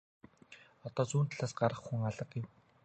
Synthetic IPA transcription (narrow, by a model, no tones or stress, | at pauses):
ɔt̪ɔːt͡suːnt̪ʰaɮaːsɢaɾə̆χxuŋaɮə̆qjɪw